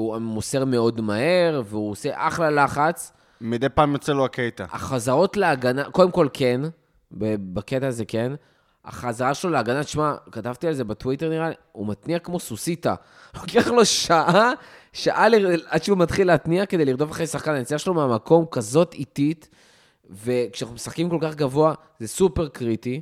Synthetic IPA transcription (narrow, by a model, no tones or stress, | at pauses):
uamuseʁmeo̞dmahe̞ʁveuose̞ʔaχlalaχat͡s | mid̪ejpaːmjo̞t͡seloaket̪aa̰χazaʁo̞tleaɡanako̞d̪e̞mko̞lkʰen | bebaketaːzeke̞n | a̰χazaʁaʃelo̞leaɡanat͡ʃmakatavt̪ialze̞batwiteʁniʁali | umat̪niakmo̞susita̰ | hokiaχlo̞ʃaʔa | ʃaʔaliadʃeumat̪χileat̪niake̞d̪eliʁd̪ovaχʁejsaχkananit͡siaʃelomeamako̞mkazo̞tit̪it̪ | ve̞kʃananumesaχkimko̞lkaχɡavo̞a | zesupe̞ʁkʁiti